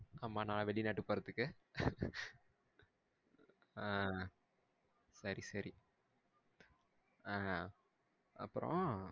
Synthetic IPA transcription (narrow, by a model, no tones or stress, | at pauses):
kɐmːaːnaːlɐʋɛɭːinaːʈːɯpːoːɾɐt̪ːɯkːɯ | a | sɐɾisɐɾi | aː | ɐ̰pːɯɾõ̰